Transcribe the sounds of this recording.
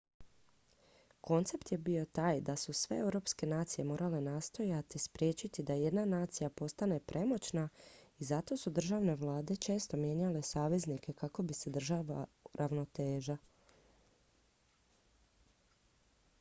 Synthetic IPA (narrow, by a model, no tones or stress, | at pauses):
ko̞nt̪se̞pt̪je̞bijo̞t̪aːjd̪asusʋe̞̰e̞wɾo̞ːpske̞naːt̪sije̞mo̞ːɾale̞naːst̪o̞jat̪ispɾjeːt͡ɕit̪id̪aje̞d̪nanaːt̪sijapo̞st̪ane̞pɾʔe̞mo̞t͡ɕnaizat̪o̞ːsud̪r̩ʒaʋne̞ʋlˠaːd̪e̞t͡ʃe̞ːst̪o̞mje̞ɲale̞saːʋe̞znikʰe̞kako̞bise̞d̪r̩ʒaːʋaɾʔaʋno̞t̪e̞ːʒa